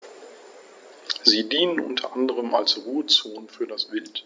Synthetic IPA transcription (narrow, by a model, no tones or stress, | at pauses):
ziːdiːnənʔʊ̰ntʰɐʔandəʁ̞əma̰lsʁuːət͡soːnfyːɐdasv̥ɪlt